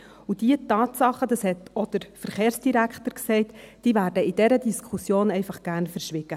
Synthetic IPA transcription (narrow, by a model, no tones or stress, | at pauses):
ud̥iətɑːtsɑχːəd̥ɑshɛt̪ɔd̥̪əɾfəɾχeːɾsd̥iɾækχtəɾksɛɪtd̥iːvæːɾdəɪd̥ɛɾədiskʰusjoːnɛɪfɑχɡ̥æːrnfəɾʃʋɪɡ̥ə